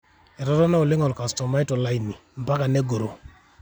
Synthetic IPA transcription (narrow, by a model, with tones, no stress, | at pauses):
ɛ˨ɾɔ˦ɾɔ˦na˦o˨lɪ˦ŋɔ˨lka˨stɔ˨ma˦i˦tɔ˨la˦i˨ni˨m̩˨pa˦ka˨ne˦ɡo˨ɾo˨